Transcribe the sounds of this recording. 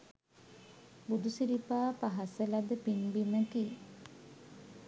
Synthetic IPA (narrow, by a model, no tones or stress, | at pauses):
bud̪usiɾipaːpaɦɐselɐd̪epinbiməkiː